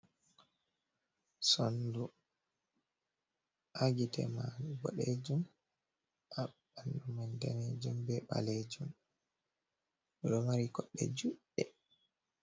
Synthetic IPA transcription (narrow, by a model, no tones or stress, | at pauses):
sondu | ʔaɡitʰɛ̰maɾuɡɔ̰ɗed͡ʒum | ʔaɓandumandaned͡ʒumbɛɓa̰led͡ʒum | ɗɔmaɾikɔɗːɛ̰d͡ʒuʔɛ